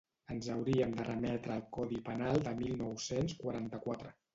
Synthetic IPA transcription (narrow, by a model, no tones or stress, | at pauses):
ənzəwɾiəmd̪ərəmɛt̪ɾəːlˠkɔðipənalˠd̪əmilˠnɔwsenskwaɾant̪əkwat̪ɾə